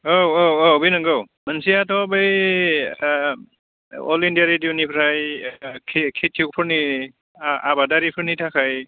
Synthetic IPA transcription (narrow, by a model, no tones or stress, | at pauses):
owoobinaŋɡaw | mansiatɔbej | ɔ̰lindiaɾidiwnipʰɾajkʰkʰetʰːik̚pʰɔɹni | a̰badaɾipʰɯɹnitʰakʰaj